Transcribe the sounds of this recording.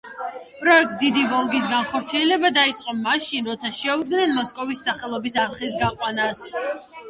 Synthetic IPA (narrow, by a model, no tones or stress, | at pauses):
pʼɾɔɛk̚t̪̚ʼd̪id̪ivɔlˠɡis̬ɡanχɔɾt̪sʰiɛlɛbad̪ait̪sʼqʼɔmaʃinɾɔt̪sʰaʃɛud̪ɡnɛnmɔskʼɔvisːaχɛlˠɔbisaɾχis̬ɡaqʼwanas